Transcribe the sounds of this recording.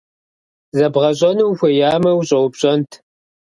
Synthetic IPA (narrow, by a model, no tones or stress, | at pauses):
zɐbʁɐɕ̬ʼɐnuwxʷɐjaːmɐwɕʼɐwpɕʼɐntʰ